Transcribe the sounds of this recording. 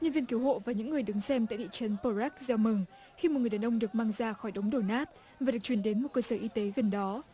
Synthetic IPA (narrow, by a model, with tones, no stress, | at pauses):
ɲə˧nvi˧ənki˨˦əwɦho̰˧˨vaː˨˩ɲɨ̰˧˥ŋːɨ˨˩əjɗɨ˨˦ŋsɛ˧mt̪a̰ː˧˨jt̪ḭ˧˨t͡ɕə˨˦npo˧zɛ˦˥k̚zaː˧wmɨ˨˩ŋ | xi˧mo˨˩t̚ŋɨ˨˩a˨˩nʔə˧wŋ͡mɗɨ˨˩ək̚maː˧ŋzaː˧xɔ˧˩jɗə˨˦wŋ͡mɗo˧˩naː˦˥t̚ | vaː˨˩ɗɨ˨˩ək̚t͡ɕwi˧˩ənɗe˨˦nmo˨˩t̚kəː˧səː˧˩ʔi˧t̪e˨˦ɣə˨˩nɗɔ˨˦